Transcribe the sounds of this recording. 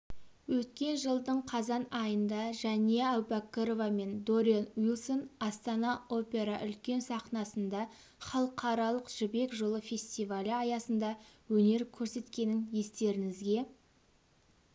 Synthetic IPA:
wɵt̪kʲe̞nʒəlˠd̪əɴqʰɑzɑnɑjənd̪ɑʒæne̞awpakːəɾovame̞nd̪o̞ɾianwilˠsonɑst̪ɑnɑo̞pʲe̞ɾɑʔʏ̰lkʲe̞nsɑqnɑsənd̪ɑ | χɑlˠəqʰɑɾɑlˠəqʒ̥ʏbe̞kʒolˠəfʲe̞sʲt̪ijvalʲəɑjɑsənd̪ɑwɵne̞ɾkʲʰɵɾse̞t̪kʲe̞nɪŋje̞st̪e̞ɾɪŋɪzɡʲe̞

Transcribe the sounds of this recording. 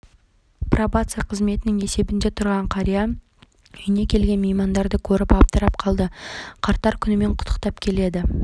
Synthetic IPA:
probat̪sɨjaqʰəzme̞t̪ɪnɪŋe̞se̞bɪnd̪e̞t̪ʰʊɾʁɑɴqʰɑɾija | ɵjɪnekʲʰe̞lɡʲe̞nmejmɑnd̪ɑɾd̪əkʲʰɵɾɪpɑp̚t̪əɾɑp̚qʰɑlˠd̪əqʰɑɾt̪ɑɾkʲʰʏnɪme̞ɴqʰʊ̥t̪ʰə̥qt̪ɑpkʲʰe̞le̞d̪ɪ

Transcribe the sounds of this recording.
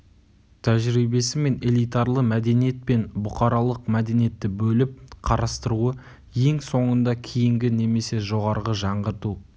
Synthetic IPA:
t̪ʰæʒɾibe̞sɪme̞ne̞lˠijt̪ɑɾlˠəmæd̪e̞nije̞t̪̚pe̞nbʊqɑɾɑlˠəqmæd̪e̞nijet̪ːɪbɵlɪp̚qʰɑɾɑst̪əɾuə | je̞ŋso̞ɴənd̪ɑkʲʰijɪŋɡʲɪne̞me̞se̞ʒo̞ʁɑɾʁəʒɑɴʁəɾt̪u

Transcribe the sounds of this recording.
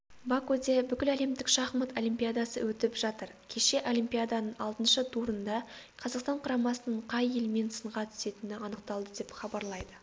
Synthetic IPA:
bakod̪e̞bʏkʲɪlæle̞md̪ɪkʃɑχmət̪olʲimpʲijad̪ɑsə̰wɵt̪ɪpʒ̥ɑt̪əɾkʲʰe̞ʃe̞ʔo̞lʲimpʲijad̪ɑnəɴɑlˠt̪ənʃət̪ʰuɾənd̪ɑqʰɑzɑqst̪ɑɴqʰɾɑmɑsənəɴqʰɑje̞lɪme̞nsəɴʁɑt̪ʰʏ̥se̞t̪ɪnɪɑnəqt̪ɑlˠd̪əd̪e̞pχɑbɑɾlˠɑjd̪ə

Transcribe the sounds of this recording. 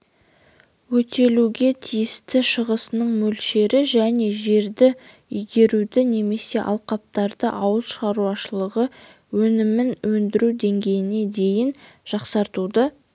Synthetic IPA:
wɵt̪e̞luɡʲe̞t̪ʰijɪst̪ɪʃəʁəsənəɴmɵlʃe̞ɾɪʒæne̞ʒe̞ɾd̪ɪ | ʏjɡʲe̞ɾud̪ɪne̞me̞se̞ʔɑ̰lˠqɑp̚t̪ɑɾd̪ə̰ʔɑwəlˠʃʁɑɾuɑʃəlˠəʁə | wɵnɪmɪnwɵnd̪ɪɾuwd̪e̞ŋɡʲe̞jɪne̞d̪e̞jɪnʒ̥ɑqsɑɾt̪ud̪ə

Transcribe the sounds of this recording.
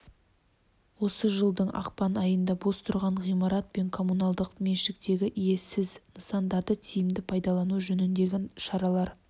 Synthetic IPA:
wo̞səʒəlˠd̪əɴʔɑ̰qpɑnɑjənd̪ɑbo̞st̪ʰʊɾʁɑɴʁijmɑɾɑt̪̚pe̞ŋkʰo̞munɑlˠd̪əqme̞ʃɪk̚t̪e̞ɡʲɪʔije̞sɪznəsɑnd̪ɑɾd̪ət̪ʰijɪmd̪ɪpʰɑjd̪ɑlˠɑnuʒɵnɪnd̪e̞ɡʲɪnʃɑɾɑlˠɑɾ

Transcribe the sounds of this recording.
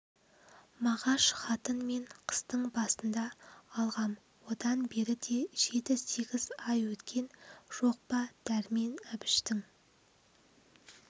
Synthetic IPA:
mɑʁɑʃχɑt̪ənme̞ɴqʰə̥st̪əɴbɑsənd̪ɑːlˠʁɑm | wo̞d̪ɑnbe̞ɾɪd̪e̞ʒ̥e̞t̪ɪse̞ɡʲɪzɑjwɵt̪kʲʰe̞nʒ̥o̞q̚pɑd̪̥æɾme̞næbɪʃt̪ɪŋ

